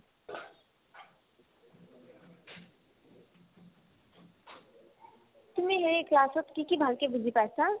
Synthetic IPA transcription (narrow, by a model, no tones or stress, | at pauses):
t̪umeɦeɾeklaːsot̪kikibʱəlkebid͡ʒʱipajsa